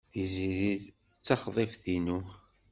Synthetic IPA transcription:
θiziɾi | t͡sːɑχðˤefθinu

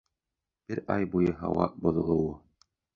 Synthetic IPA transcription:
b̥ɘɾɑjbujɤɦɑ̰wɑ̰bŏðɤ̆lˠɤ̆wɤ

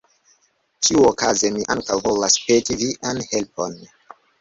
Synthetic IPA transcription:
t͡ʃiuokazemiʔaŋkawvo̞laspetiviʔanhe̞lpo̞n

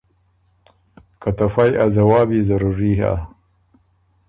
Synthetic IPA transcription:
kat̪ɐfajazɐwaːbiːzɐɾuɾiːɦa̰

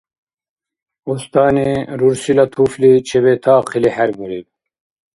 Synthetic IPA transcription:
ust̪aːniɾuɾsilat̪ʰuflit͡ɕʰeβet̪ʰaːqʰilihaɾmuɾib

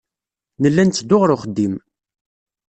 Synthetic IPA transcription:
nəlːænt͡sːəd̪ʊʁɾʊχəd̪ːim

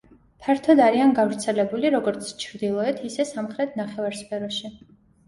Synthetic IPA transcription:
pʰaɾt̪ʰɔd̪aɾianɡavɾt̪sʰɛlɛbuliɾɔɡɔɾt̪sʰt͡ʃʰɾd̪ilˠɔɛt̪ʰisɛsamχɾɛt̪ʰnaχɛvaɾspʰɛɾɔʃi

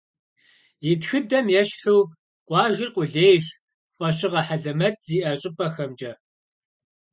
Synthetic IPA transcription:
jitxɨdɐmjɛɕħuː | qʷʼɑːʒɪrqʷʼʊɮeːjɕ | fʼɐɕɪʁɐħaɮɐmɐtʰz̥iːʔɐɕʼɪpʼɐxɐmd͡ʒʼɐ

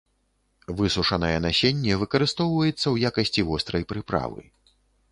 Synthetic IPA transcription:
vɨsuʂɐnɐjɛnasʲenʲːɛvɨkɐɾɨst̪ɔwvɐjɛt̪sːɐwjakɐsʲt͡sʲivɔst̪ɾɐjpɾɨpɾa̰vɨ̰

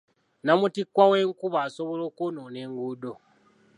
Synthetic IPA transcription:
namutikwawe̞ːŋkuβaːso̞βolo̞ːkunoneːŋɡuːdo

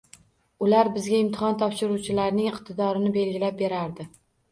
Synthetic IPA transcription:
ʊlaɾbɪzɡʲaɪmt̪ʰɪhɒnt̪ʰɒpʃɪɾuwt͡ʃʰɪlaɾnɪŋɪqt̪ʰɪd̪ɒɾɪnɪbe̞lɡʲɪlap̚be̞ɾaɾd̪ɪ

